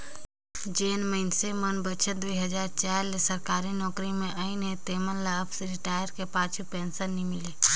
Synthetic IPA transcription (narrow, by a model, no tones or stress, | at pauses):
d͡ʒeːnməɪnsemənbət͡ʃʰət̪d̪uiɦəd͡ʒaːɾt͡ʃaːɾlesəɾkaːɾinɔːkɾimẽʔəɪnɦẽt̪eːmənlaəpʰsɾɪʈaːjəɾkepãːt͡ʃʰupeːnsəɾnimɪleː